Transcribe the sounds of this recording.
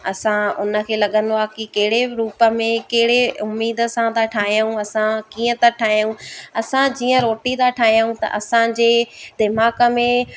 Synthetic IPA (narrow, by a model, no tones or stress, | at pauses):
ɐsãʊ̰nə̆kʰeːlɐɠə̃nd̪akikɐɦɪɽeɾuːpə̆mẽkɐɦɪɽeʊmːiːd̪ə̆sãt̪aʈʰaːɦijũɐsãkiːə̃t̪ɐʈʰaːɦijũɐsãd͡ʑiːə̃ɾoːʈit̪aʈʰaːɦijũt̪ɐ̰ʔɐsãd͡ʑeːd̪ɪmaːkə̆mẽ